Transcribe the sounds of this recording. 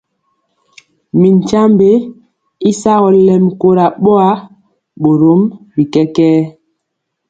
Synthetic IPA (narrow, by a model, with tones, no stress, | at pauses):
mi˨ɲ˨t͡ʃa˦mbe˦ | i˦sa˦ɣɔ˨lɛ˦mko˦ɾa˨ɓɔ˦a˦ | ɓo˨ɾo˨˦mbi˨kɛ˦kɛː˦